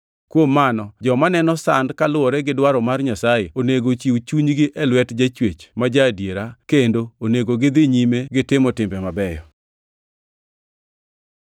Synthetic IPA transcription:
kwomːanɔd͡ʒɔmanɛnɔsandkalʊɔɾɛɡɪdwaɾɔmarɲasajeoneɡot͡ʃiut͡ʃuɲɡɪʔɛlwɛtd͡ʒat͡ʃwet͡ʃmad͡ʒadjeɾakendooneɡoɡɪd̪ɪɲimeɡɪtɪmɔtɪmbɛmabɛjɔ̰

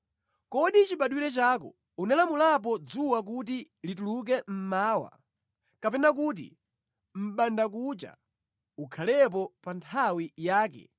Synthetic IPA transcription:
kɔɗit͡ʃiɓaɗwiɾɛt͡ʃaːkɔ̰ | unalamulap̬ɔd͡zuwak̬ut̬i | lituluk̬ɛm̩maːwa̰ | kapɛnak̬ut̬ḭ | m̩ɓandak̬ut͡ʃa̰ | ukʰalɛp̬ɔpantʰawijaːkɛ̰

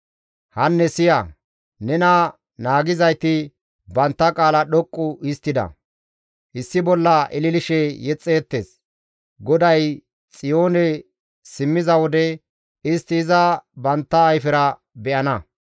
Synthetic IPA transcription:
hɐnːɛsɪjɐ | nɛnɐ | naːɡɪzɐjt̪ɪ | bɐnt̪ːɐkʼaːlɐɗɔkʼːʊɪst̪ːɪd̪ɐ̰ | ʔɪsːɪbɔlːɐʔɪlɪlɪʃɛjɛt͡sʼːeːt̪ːe̞̰ːs | ɡɔd̪ɐj | t͡sʼɪjo̞ːnɛ | sɪmːɪzɐwɔd̪ɛ | ɪst̪ːɪːzɐbɐnt̪ːɐːjfɪɾɐ | bɛʔɐnɐ

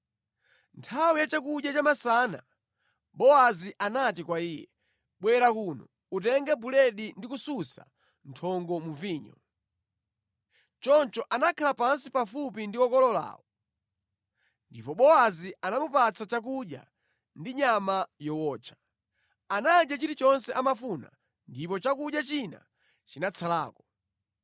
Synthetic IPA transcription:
ntʰawijat͡ʃakuʄjat͡ʃamasana̰ | ɓɔaziʔanatikwaiːjɛ̰ | ɓwɛɾakunɔ̰ | utɛŋɡɛbulɛɗindikususa̰ | ntʰɔŋɡɔmuviːɲɔ̰ | t͡ʃɔnt͡ʃɔʔanakʰalapansipafupindiɔkɔlɔla̰ːwɔ | ndipɔɓɔaziʔanamupat͡sʰat͡ʃak̬uɗja̰ | ndiɲamajɔwɔːt͡ʃʰḁ | anad͡ʒat͡ʃiɾit͡ʃɔnsɛʔamafuna̰ | ndipɔt͡ʃakuɗjat͡ʃina̰ | t͡ʃinat͡sʰala̰ːkɔ

